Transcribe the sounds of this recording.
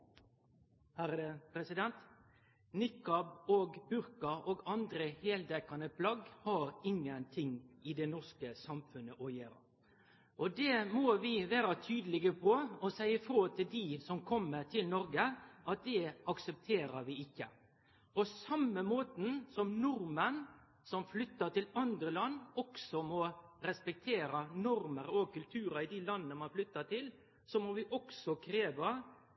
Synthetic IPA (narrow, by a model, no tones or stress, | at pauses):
hæɾəpʰɾɛsɪd̪ɛnt̪ | nɪkːɑboːɡbʉɾkɑʔoːɡɑnd̪ɾəheːld̪ɛkɑnəpʰlɑɡhɑɾɪŋːənt̪ʰɪŋʔɪd̪ɛnɔskəsɑmfʉnəʔɔjeːɾɑ̰ | ʔɔd̪ɛmoːʋɪʋæːɾɑt̪ʰyːd̪əlɪɡəpʰɔɔsæɪəfɾoːt̪ʰɪld̪isɔmkʰɔmːəɾt̪ʰɪlnɔɾɡəʔɑt̪̚d̪ɛɑksəp̚t̪ʰeːɾəɾʋɪɪkːə | ɔsɑmːəmoːt̪n̩sɔmnʊɾmən | sɔmflʏt̪ːət̪ɪlɑnd̪ɾəlɑnːɔksɔmɔɾɛspɛk̚t̪ʰeːɾɑnɔɾməɾɔkʰʉlt̪ʰʉːɾɑɪd̪ɪlɑnːənəmɑnflʏt̪ːəʈ̪ʰɪl | sɔmɔʋɪʔɔksɔkʰɾeːʋə